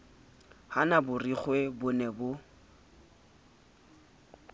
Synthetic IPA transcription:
hanabʊriχwebʊnɛbʊ

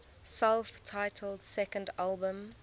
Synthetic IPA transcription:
sɛlˠftʰaɪtʰəlˠd̥sɛkə̃ndalˠbə̃m

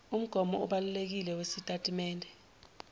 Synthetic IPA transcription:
um̩ɡ̥ʱɔmɔuɓalulek̬ilɛwesitʼatʼimɛːndʱɛ

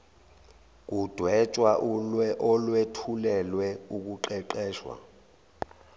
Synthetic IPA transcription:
k̬ud̥ʱwɛt͡ʃʼwaʔuʔɔlwetʰulɛlwɛuk̬uǃɛǃɛːʃwa̰

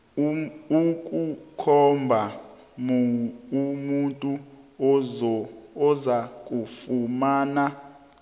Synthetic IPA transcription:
ukʼukʰɔmbʱa | muumuntʼu | ɔzak̬ʼufumaːna

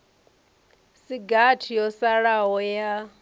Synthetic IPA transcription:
siɡatʰijɔsaɺaɦɔja

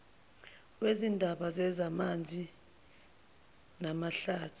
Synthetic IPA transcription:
wezindʱaɓazɛzamand͡zʱi | namaɬaːtʰi̥

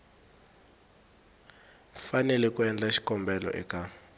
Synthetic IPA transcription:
fanɛlɛkwɛnd͡ɮaʃi̥kɔmbɛlɔ̰ʔɛ̰ka

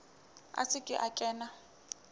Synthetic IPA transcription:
a̰sɪkʼɪ̰ʔakʼɛːna

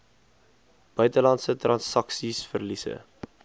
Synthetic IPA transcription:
b̥œɥtəlɐntsətrɑnsɐksisfərlisə̰

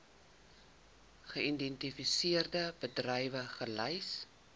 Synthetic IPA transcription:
χəindɛntifisiərdəbədrɛjvəχəlɛjs

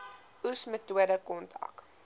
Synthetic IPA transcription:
ʔusmətuədəkɔntɐ̰k

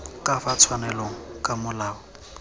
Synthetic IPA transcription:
kʼafat͡sʰwanɛloŋ̩kʼamʊlaːɔ

